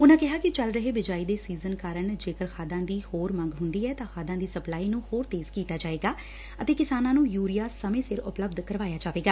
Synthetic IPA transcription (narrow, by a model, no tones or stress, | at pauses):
ʊnãːkɪɦaːkɪt͡ʃəlɾəɦeːbɪd͡ʒaːiːd̪eːsiːzənkaːɾəɳd͡ʒeːkəɾxʰaːd̪ãːd̪iːhoːɾmə̃ŋɡɦʊnd̪iːɛːt̪ãːxʰaːd̪ãːd̪iːsəplaːiːnũːhoːɾt̪eːzkiːt̪aːd͡ʒaːeːɡaː | ət̪eːkɪsaːnãːnũːjuːɾijaːsəmẽːsɪɾʊ̰pləbd̪kəɾʋaːjaːd͡ʒaːʋeːɡaː